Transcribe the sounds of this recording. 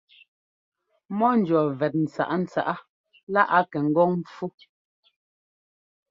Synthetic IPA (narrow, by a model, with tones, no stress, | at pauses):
mɔ˦n̩˨˦d͡ʒɔ˨vɛ˨t̚n̩˨t͡sa̰˨ʔa˦n̩˦t͡sa̰˨ʔa˦ | la˦ʔa˦kɛ˨ŋ̩˦ɡɔ˦ŋm˦fu˦